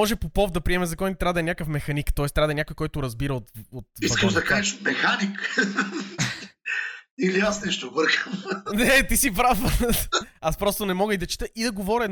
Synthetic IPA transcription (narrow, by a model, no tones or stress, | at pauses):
ɔʒɛpopɔfd̪ɐpɾiɛmɛzɐkɔnit̪t̪ɾad̪ɐɛnʲjakəfmɛxɐnikt̪ɔɛst̪ɾʲad̪ɐɛnʲakʊjkɔjt̪ʊɾɐzbiɾɐot̪ot̪iskəʃd̪ɐkaʒɛʃmɛxanik | iliasnɛʃt̪ovɤɾxəmnɛt̪isipɾaf | aspɾɔst̪ʊnɛmɔɡəid̪ɐt͡ʃi̥t̪əʔid̪ɐɡovɔɾʲiɛd̪